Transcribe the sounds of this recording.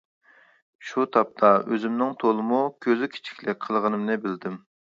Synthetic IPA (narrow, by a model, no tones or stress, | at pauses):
ʃut̪ʰɑp̚t̪ʰɑøzɪmnɪŋt̪ʰolˠɨmukʲʰøzykʲʰi̥t͡ʃʰi̥kʲlɪqʰəlˠʁənɨmnɨbɪld̪ɪm